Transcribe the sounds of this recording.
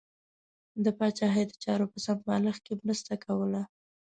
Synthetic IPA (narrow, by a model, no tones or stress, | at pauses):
d̪əpɑt͡ʃɑɦəjd̪ət͡ʃɑɾopəsampɑləxkemɾəst̪akawəla